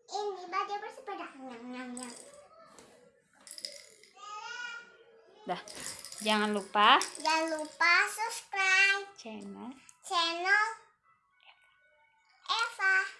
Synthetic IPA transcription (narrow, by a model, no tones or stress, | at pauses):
ʔinibadiopəsibədak̚əŋamŋamjaŋ | dahd͡ʒaŋanlupad͡ʒaŋanlupasupskɾajpt͡ʃɛnəlt͡ʃɛnəl | ʔɛfa